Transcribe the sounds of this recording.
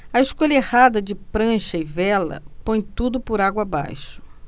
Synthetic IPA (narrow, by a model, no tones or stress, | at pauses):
ɐɪʃkoʎɐehad̪ɐd͡ʒɪpɾɐ̃ʃɐɪvɛlɐ̰põj̃t̪ud̪ʊpʊɾaɡwɐaba̰jʃʊ̥